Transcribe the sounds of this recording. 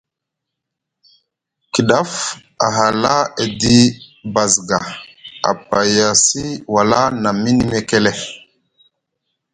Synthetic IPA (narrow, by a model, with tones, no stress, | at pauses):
ki˨ɗa˦f | a˨ɦa˨la˦e˨di˦ba˨zɡa˨a̰˨pa˨ja˨si˦wa˨la˦na˨mi˦ni˦me˦ke˦lɛ˦